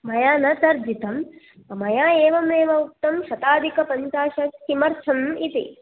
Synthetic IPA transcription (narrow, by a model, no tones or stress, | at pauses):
mɐjaːnɐt̪ɐɾd͡ʒit̪ɐm | ɐmɐjaːeːʋɐmeːʋɐuk̚t̪ɐmʃɐt̪aːd̪ʱikɐpɐnt̪aːʃɐkimɐɾt͡ʃʰɐmit̪ḭ